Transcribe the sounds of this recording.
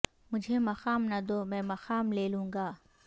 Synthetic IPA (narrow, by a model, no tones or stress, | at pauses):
mʊd͡ʒʱemɐxaːmnɐd̪oːmɛ̃ːmɐxaːmleːlũːŋ̆ɡaː